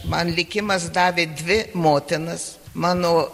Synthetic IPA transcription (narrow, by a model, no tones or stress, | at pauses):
mɐnlʲɪkʲɪmɐsd̪ɑːʋʲeːd̪ʲʋʲɪmoːt̪ʲɪnɐs | mɑːnoː